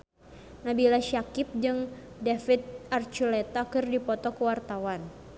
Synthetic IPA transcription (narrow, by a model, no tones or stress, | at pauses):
nabilaʃakɪp̚d͡ʒɨŋ | defit̪̚ʔart͡ʃulɛt̪akɨrdipɔt̪ɔkəwart̪awan